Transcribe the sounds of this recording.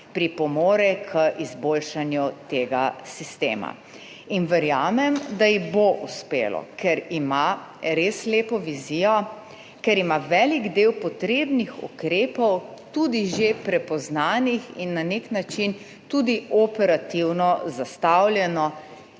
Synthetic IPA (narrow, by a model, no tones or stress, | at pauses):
pɾipɔmɔːɾɛkʰəʔizboːlʃanjut̪eːɡa̰sist̪ḛːma̰ | inʋɛɾjaːmɛmd̪ajiɣboʔuspḛːlɔ̰kʰɛɾimaɾesleːpɔʋizijɔ | kɛɾimaʋɛːliɡd̪eːwpɔt̪ɾeːbnixṵkɾeːpɔwt̪ud̪iʒepɾɛpɔznaːnixinːaneknat͡ʃin | t̪ud̪iɔpɛɾat̪iwnɔzast̪awljɛnɔ